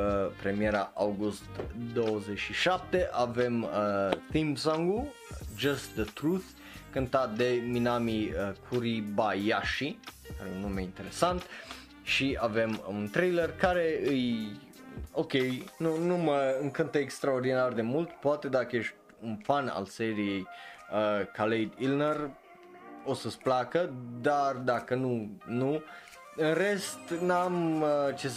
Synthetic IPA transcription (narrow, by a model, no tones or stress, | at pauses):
pɾe̞mieɾaʔawɡust̪d̪owəzet͡ʃʃiʃap̚t̪eʔavemθĩmsãŋɡu | d͡ʒast̪d̪ət̪ɾuθ | kɨnt̪at̪̚d̪e̞minamiəkʰuɾibajaʃikaɾeunːumeint̪e̞ɾesant̪ | ʃiave̞munt̪ɾejlərkaɾeɨj | o̞kʲe̞jnunuməɨŋkɨnt̪əekst̪ɾaord̪inard̪e̞mult̪poat̪e̞d̪akəje̞ʃt̪̚ʲunfana̰lse̞ɾije̞jəkʰalejd̪ilnər | o̞səsplakəd̪ard̪akənunu | ɨnre̞st̪namt͡ʃe